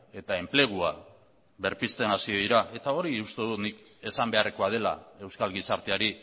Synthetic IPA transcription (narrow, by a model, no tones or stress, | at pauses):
e̞t̪ae̞mple̞ɣ̞ua | βe̞ɾpist̪e̞nasiiɾaʔe̞t̪ao̞ɾiust̪e̞ðut̪nik | e̞sambe̞areko̞aðe̞la̰e̞wskalɣisaɾt̪eaɾi